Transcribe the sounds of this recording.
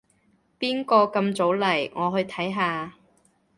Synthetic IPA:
piː˥nkɔː˧kɐ˧mt͡so˨˥wlɐ˨˩jŋʔɔː˨˧ɦɵ˧ɥt̪ʰɐ˨˥jɦaː˨˧

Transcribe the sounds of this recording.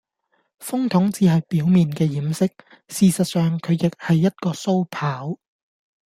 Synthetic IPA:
fʊ˥ŋt̪ʰʊ˨˥ŋt͡siː˨˧ɦɐ˨jpiː˨˥wmiː˨nkɛː˧jiː˨˥msɪ˥k̚ | siː˨sɐ˨t̚sœː˨ŋkʰɵ˨˧ɥjɪ˨k̚hɐ˨jːɐ˥t̚kɔː˧so˥wpʰaː˨˥w

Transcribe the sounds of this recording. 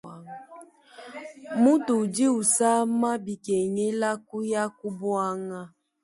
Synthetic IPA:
mu˦tu˨d͡ʒi˦u˨sa˦ma˦bi˨ke˨ŋe˦la˦ku˦ja˦ku˦bwa˦ŋa˦

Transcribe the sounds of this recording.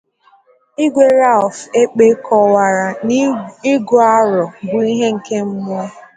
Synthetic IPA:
i˦ɡʷe˦ɾa˦˨fe˦k͡pe˦kʰɔ˦wa˨ɾa˨n˦i˦ɡo˨˦a˦ɾɔ˨bʊ˨i˦ɦe˦ŋ̩˨ke˦m̩˦m˦e˦

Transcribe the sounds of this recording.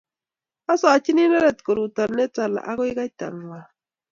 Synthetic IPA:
a˦so˦a˨t͡ʃi˦ni˦na˦ɾe˨t̪ko˨ɾu˨t̪a˨ɾne˦t͡sa˨la̰˨ʔa˦ɣo˦jɣa˦jt̪a̰˨ŋwa˨

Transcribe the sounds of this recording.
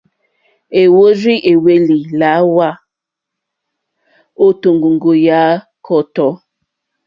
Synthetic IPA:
e˨wo˦ɾi˦ʔe˨we˦li˨la˨˦wa˦ | o˦˨to˨ŋɡo˨ŋɡo˨ja˨˦ | kʰɔ˦˨tɔ˨˦

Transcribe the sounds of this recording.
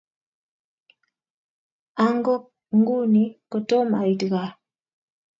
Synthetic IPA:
a˦ŋ˦ɡɔ˦ | ŋ̩˦ɡu˦ni˦ko˨to˦ma˨i˨tɣa˨

